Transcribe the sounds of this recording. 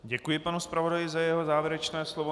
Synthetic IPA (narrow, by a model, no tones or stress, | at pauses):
ɟɛkujɪpanuspɾavo̞dajɪzajɛɦo̞zaːvjɛɾɛt͡ʃnɛːslovo